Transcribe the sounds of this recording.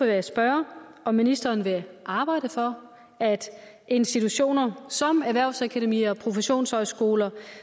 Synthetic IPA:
eʋeæsb̥ɶɐ | ɒ̽mːinisd̥ɐːnʋe̝ʔɑ̈ːb̥ɑ̈ɪ̰d̥əfɒ̽ | æd̥ | e̝nsd̥it͡sʰuɕo̝̰ːnɐsɒ̽mæʋæɐʊsækʰæɾemḭːɒpʰʁo̝feɕo̝̰ːnshɒ̽ɪsɡ̥o̝ːlɐ

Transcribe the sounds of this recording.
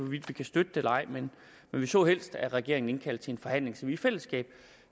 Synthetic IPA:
ɒʋid̥ʋikʰæsd̥ød̥əd̥elɐɑ̈ɪ̰men | menʋisɒ̰ːhel̰sd̥æʁɛɡ̥e̝ɐ̰eŋn̩e̝nkʰæl̰d̥t͡sʰe̝e̝nfɒ̽hæn̰le̝ŋsɒ̽miːfel̰əsɡ̥ɛ̰ːb̥

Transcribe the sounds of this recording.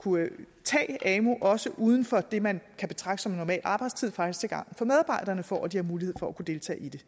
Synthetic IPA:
kʰu | t͡sʰɛ̰ːɛːmo̝ʔɒ̽səʔuːð̞ˠn̩fɒ̽d̥e̝mænkʰæb̥e̝t͡sʰʁɑ̈ɡ̥ɡ̥ə̥sɒ̽me̝nːɒmɛ̰ːlʔɑ̈ːb̥ɑ̈ɪd̥st͡sʰið̰ˠfɑ̈ɡ̥d̥ist͡sʰe̝ɡ̥ɑ̈ŋ̰fɒ̽með̞ˠɑ̈ːb̥ɑ̈ɪ̰d̥ɐːnəfɒ̰ːd̥ihɑ̈muːlihe̝ð̰ˠfɒ̽ækʰud̥e̝ːlt͡sʰɛ̰ːid̥e̝

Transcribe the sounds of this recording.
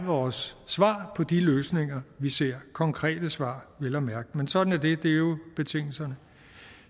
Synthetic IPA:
ʋɒːsːʋɑ̰̈ːpʰɒ̽d̥iløːsne̝ŋɐʋise̝ɐ̰kʰɒ̽ŋkʰʁɛ̰ːd̥əsʋɑ̰̈ːʋe̝lɒmæɐɡ̥əmensɒ̽d̥n̩æɐd̥e̝d̥e̝æjo̝b̥e̝t͡sʰe̝ŋ̰l̩sɐnə

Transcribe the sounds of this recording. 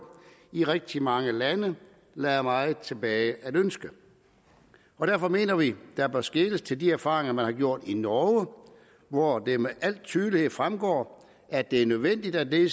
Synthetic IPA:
iʁɛɡ̥̚d̥imɑ̈ŋəlænə | lɛːɐmɑ̈ːð̩ˠt͡sʰe̝b̥ɛːɪʔæɾ̥ønsɡ̥ə | ɒ̽d̥æɐ̰fɒ̽me̝̰ːnɐʋid̥ɑb̥ɶɐsɡ̥e̝ːləst͡sʰe̝ldiæɐfɑ̈ːʁeŋɐmænhɑ̈ɡ̥jo̝ɐ̰d̥inɒə | ʋɒd̥e̝meʔæl̰t͡sʰyːðˠlihe̝ð̩̰ˠfʁamɡ̥ɒ̰ː | æd̥e̝æɐnøð̞ˠʋen̰d̥id̥æd̥e

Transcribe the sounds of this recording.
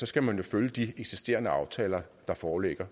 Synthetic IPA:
sɒ̽sɡ̥æmænjo̝føljəd̥ieɡ̥sisd̥e̝̰ːɐnəɑ̈ʊt͡sʰɛ̰ːlɐd̥ɑ̈fɒːleɡ̥ɐ

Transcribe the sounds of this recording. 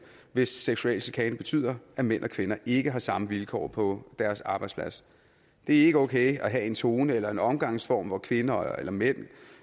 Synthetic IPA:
ʋe̝sːeɡ̥suɛl̰sikʰɛɪnb̥e̝t͡sʰy̰ːð̰ˠɐæmen̰ʔɒkʰʋenɐʔe̝ɡ̥əɦɑ̈sɑ̈məʋilkʰɒ̰ːpʰɒ̽d̥æɐsɑ̈b̥ɑ̈ɪd̥spʰlæs | d̥e̝æɐe̝ɡ̥əɔ̽ʊkʰeɪæɦæe̝nt͡sʰo̝ːnəelɐe̝nɒ̽mɡ̥ɑ̈ŋ̰sfɒ̰ːmʋɒkʰʋe̝nɐḛlɐmen̰

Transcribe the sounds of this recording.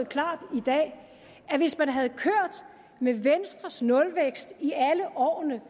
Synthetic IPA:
ð̩ˠkʰlɑ̈ːd̥id̥ɛ̰ː | æʋe̝smænɦæð̞̩ˠkʰøɐ̰d̥ | meʋensd̥ʁɐsnɔ̽lʋeɡ̥sd̥iæləʔɒ̰ːnə

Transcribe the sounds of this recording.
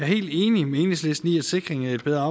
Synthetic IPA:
æɐhe̝̰ːld̥e̝ːnimee̝ːneŋsle̝sd̥n̩iæd̥se̝ɡ̥ʁeŋæe̝d̚b̥eðˠɐɑ̈

